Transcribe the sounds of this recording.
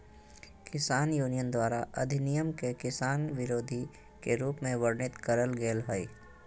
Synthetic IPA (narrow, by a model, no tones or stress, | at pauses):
kɪsaːnjuːnijənd̪waːɾaʔɐd̪ʱɪnijəmkekɪsaːnʋɪɾoːd̪ʱi | keɾuːpmẽʋəɾɳɪt̪kəɾəlɡeːlɦəi